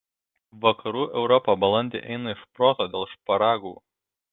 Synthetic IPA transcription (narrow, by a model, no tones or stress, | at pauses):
ʋɐkɐɾuːʔɛʊɾɔpɐbɐlˠɐnʲd̪ʲḛːʔɛ̰ɪnɐɪʃpɾoːt̪oːd̪ʲeːlˠʃpɐɾɑːɡuː